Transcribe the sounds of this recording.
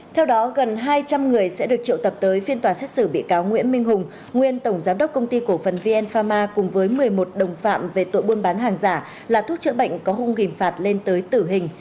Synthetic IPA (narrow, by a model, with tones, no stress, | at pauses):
t̪ʰɛ˧wɗɔ˨˦ɣə˨˩nɦaː˧jt͡ɕa˧mŋɨ˨˩əjsɛ̰˧˥ɗɨ˨˩ək̚t͡ɕḭ˧˨wt̪ə˨˩p̚t̪əː˨˦jfi˧ənt̪waː˨˩sɛ˦˥t̚sɨ˧˩ɓḭ˧˨kaː˨˦wŋwḭ˧˥ənmï˧ŋ̟ɦʊ˨˩ŋ͡m | ŋwi˧ənt̪ə˧˩wŋ͡mzaː˨˦mɗə˦˥wk͡p̚kə˧wŋ͡mt̪i˧ko˧˩fə˨˩nvi˧ʔɛ˧nfaː˧maː˧kʊ˨˩ŋ͡mvəː˨˦jmɨ˨˩əjmo˨˩t̚ɗə˨˩wŋ͡mfa̰ː˧˨mve˨˩t̪o̰˧˨jɓu˧ənɓaː˨˦nɦaː˨˩ŋzaː˧˩ | laː˨˩t̪ʰu˦˥t̚t͡ɕɨ̰˧˥ɓə̰˧˨jŋ̟kɔ˨˦ɦʊ˧ŋ͡mɣï˨˩faː˨˩t̚le˧nt̪əː˨˦jt̪ɨ˧˩ɦï˨˩ŋ̟